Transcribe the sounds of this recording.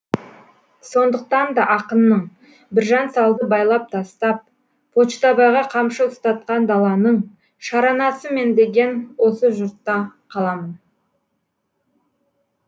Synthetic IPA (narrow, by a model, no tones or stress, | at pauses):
so̞nd̪əq̚t̪ɑnd̪ɑʔɑqənːəɴ | bɪɾʒɑnsɑlˠd̪əbɑjlˠɑp̚t̪ʰɑst̪ɑp̚ːʰ | ot͡ʃt̪ɑbɑʁɑqʰɑmʃəʊst̪ɑt̪̚qɑnd̪ɑlˠɑnəɴ | ʃɑɾɑnɑsəme̞nd̪e̞ɡʲe̞nwo̞səʒʊɾt̪ːɑqʰɑlˠɑmən